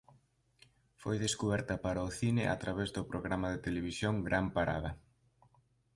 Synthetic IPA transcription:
fojðeskuβɛɾt̪ɐpaɾaʊθinɪʔa̰t̪ɾaβezðʊpɾoɣɾamaðet̪eleβ̞isjoŋɡɾʔampaɾa̰ðɐ

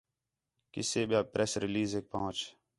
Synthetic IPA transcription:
kɪ̰seːɓjaːpɾeːsɾɪliːzeːk̚pəɦʊ̃t͡ʃ

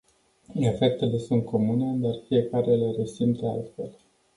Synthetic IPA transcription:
efe̞k̚t̪e̞le̞sunt̪̚kʰo̞mune̞d̪arfie̞kaɾe̞le̞resimt̪əa̰lt̪fe̞l

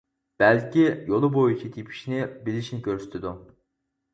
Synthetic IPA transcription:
b̥ɛlkʲijolˠʊbojit͡ʃʰit̪ʰipʰi̥ʃnɪbilɪʃnɪkʲʰøɾsy̥t̪ʰɪd̪u

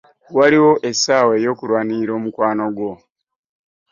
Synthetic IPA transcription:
waliwo̞ʔesaːwe̞jo̞ːkulwaːniɾo̞ːmukwaːno̞ɡwo̞

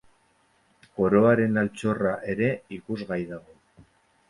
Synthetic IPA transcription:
ko̞ɾo̞aɾe̞nalt͡so̞raʔe̞ɾe̞ikuzɣajðaɣo̞

